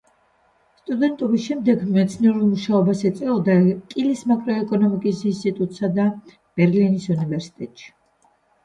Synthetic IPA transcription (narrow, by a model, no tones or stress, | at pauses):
st̪ʼud̪ɛnt̪ʼɔbisʃɛmd̪ɛɡmɛt̪sʰniɛɾulˠmuʃaɔbasɛt̪sʼɛɔd̪akʼilismakʼɾɔɛkʼɔnɔmikʼisinst̪ʼit̪ʼut̪ʼsad̪a | b̥ɛɾlinisunivɛɾsi̥t̪ʼɛt̪ʼʃi̥